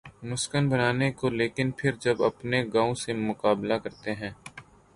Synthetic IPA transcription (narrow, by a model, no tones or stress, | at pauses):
mʊskənbɐnaːnekoleːkɪnpʰɪɾd͡ʒɐbɐpneɡaːõsemʊkaːblakɐɾt̪eɦɛ̃ː